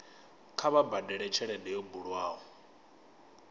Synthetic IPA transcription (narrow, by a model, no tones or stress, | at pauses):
kʰaβabadɛɺɛt͡ʃʰɛɺɛdɛjɔbuɺwaːɦɔ